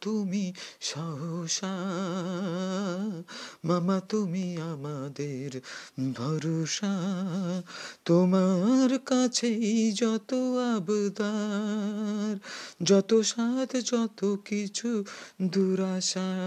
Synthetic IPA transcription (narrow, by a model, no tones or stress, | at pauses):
t̪umiʃɔɦoʃa | mamat̪umiamad̪eɾbʱɔɾoʃa | t̪omaɾkat͡ɕʰed͡ʑɔt̪oabod̪a | ɾd͡ʒɔt̪oʃad̪ʱd͡ʒɔt̪okit͡ɕʰud̪uɾaʃa